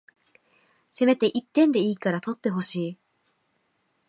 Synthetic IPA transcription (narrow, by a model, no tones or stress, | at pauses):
se̞me̞t̪e̞ʔit̪ːẽ̞nd̪e̞iːkaɾat̪o̞t̪ːe̞ɦo̞ɕiː